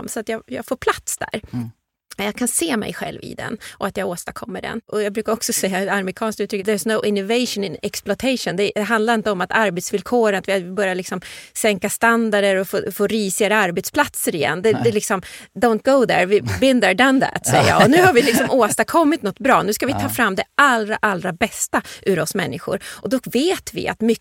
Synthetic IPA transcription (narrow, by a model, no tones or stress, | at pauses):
msɔat̪jɑːɡjɑ̰ːɡfoːɾpʰlat̪sd̪æ̰ɾ | jɑkʰanseːmɛ̰jɧɛ̰lvɪ̰d̪ɛ̰nʔɔat̪jɑːɡoːst̪akʰɔmːəɖɛ̰nʔɔjɑɡbɾʉkaɾɔksɔsɛjːaaɾmɪkʰɑːnskt̪ʉ̟t̪ɾʏkːəðɛɹsnoʊʔɪnːʊveɪʃɔ̃nɪnɛksplɔt̪ʰeɪʂɔnd̪ɛd̪ɛɦand̪laɾɪnt̪əɔmat̪ʰaɾbɛt̪svɪlkʰoːɾənat̪vɪabœɾjalɪksɔmsɛŋkast̪and̪aɖəɾɔfoːfoːɾiːsɪaɾəaɾbɛt̪spʰlat̪səɾɪjɛ̰nːd̪ɛd̪ɛlɪksɔmd̪õʊnt̪̚ɡ̥oʊðɛ̰ɹvɪbɪnd̪əd̪and̪æ̰t̪sɛjəjjɑ̰ːɔnʉ̟ːhaɾvɪlɪksɔmʔoːst̪akʰɔmːɪt̪nɔt̪ːbɾɑ̰ːnʉskavɪt̪ʰɑːfɾamːd̪ɛalɾa̰ʔalːɾabɛst̪aʔʉɾɔsmɛnːɪɧʊ̰ɾʔɔd̪ɔkveːt̪vɪ̰ʔa̰t̪mʏ